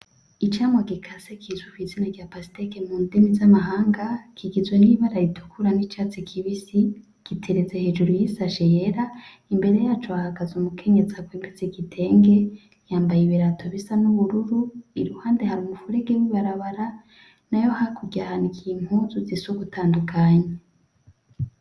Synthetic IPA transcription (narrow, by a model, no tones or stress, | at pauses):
it͡ʃaːmwaɡikʰasekʰizwukwizinaɾɟapasi̥tekemuːndinizamaɦaːŋɡakʰiɡizweniβaɾaɾitʰu̥kʰuɾanit͡ʃat͡sikʰiβisi | ɡ̥itʰeɾeze̞he̞ːd͡ʒuɾujisaʃejeɾa | imbe̞ɾe̞jat͡ʃoahaɡazumukʰe̞ɲe̞zaɡweːmbiz̥ikitʰe̞ːŋɡe̞ | jaːmbajiβiɾatʰo̞βisanuβuɾuɾuiɾuhaːnde̞haɾumufuɾe̞ɡewiβaɾaβaɾa | najo̞hakʰuɟahanikiŋ̥huzuzisoɡutʰaːndukʰaɲe